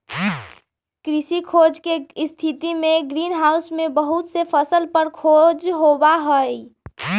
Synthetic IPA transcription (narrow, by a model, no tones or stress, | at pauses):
kɾisikʰod͡ʒkest̪ʰit̪imeɡɾinɦausmebəɦut̪sepʰəsəlpəɾkʰod͡ʒɦobaɦəj